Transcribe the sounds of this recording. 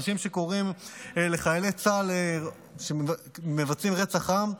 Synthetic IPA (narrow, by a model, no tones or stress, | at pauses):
ʃimʃe̞ko̞ʁimele̞χajalet͡sale | ʃeme̞vat͡simʁet͡saχam